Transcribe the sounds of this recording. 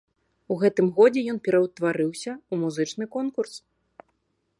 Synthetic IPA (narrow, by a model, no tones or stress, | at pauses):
uɣɛt̪ɨmɣɔd͡zʲɛjɔnpʲɛɾɐwt̪vaɾɨwsʲɐumuzɨt͡ʂnɨkɔnkurs